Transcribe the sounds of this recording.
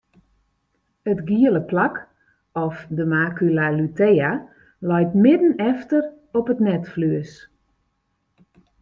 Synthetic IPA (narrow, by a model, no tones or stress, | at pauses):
ətɡiələplak | ɔfdəmaːkylalytea | lɔjtmɪdən̩ɛftər | ɔpətnɛtflyəs